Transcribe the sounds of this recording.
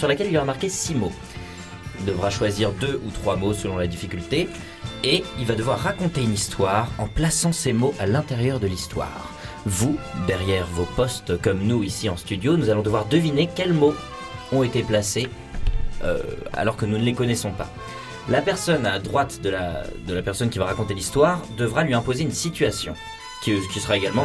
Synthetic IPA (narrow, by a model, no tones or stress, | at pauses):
syʁlakʲɛlilaʁəmaʁkʲesimo | d̪əvʁaʃwaziʁd̪øʔut̪χwamosəlɔ̃lad̪ifikʲylt̪e | eilvad̪əvwaʁːakɔ̃t̪eynist̪waʁɑ̃plasɑ̃semoʔalɛ̃t̪ɛʁjœʁd̪əlist̪wa̰ːʁ | vud̪ɛʁjɛʁvopɔst̪kɔmnuisiɑ̃st̪yd̪jonuzalɔ̃d̪əvwaʁd̪əvinekʲɛlmo | ɔ̃et̪eplase | ø̰a̰lɔʁkənunəlekɔnɛsɔ̃pa̰ | lapɛʁsɔnad̪ʁwat̪d̪əla̰d̪əlapɛʁsɔnkʲivaʁakɔ̃t̪elist̪waʁd̪əvʁalɥiɛ̃pozeynsit̪ɥasjɔ̰̃ | kʲkʲisəʁaeɡalmɑ̃